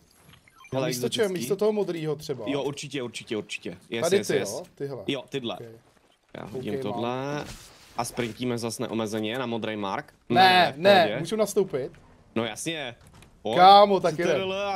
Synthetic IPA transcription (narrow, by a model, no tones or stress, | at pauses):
hɛlɛist̪ot͡ʃɛɦmiːst̪ot̪oɦomod̪ɾiːɦot̪r̥ɛbajoʔuɾt͡ʃɪcɛuɾt͡ʃɪcɛuɾt͡ʃɪ̥cɛjɛt̪adɪsɪɛost̪ɪɦɛlɛjot̪ɪdlɛ̰kj | ja̰ːɦooḭmt̪odlɛ | ʔaspɾɪɲcimɛzasnɛ̰ʔomɛzɛɲɛnamod̪ɾejma̰ɾk | nnɛnɛɛmuːʒunast̪owpɪt̪ | nojasɲɛ | okaːmot̪akkjɛdɛlɛ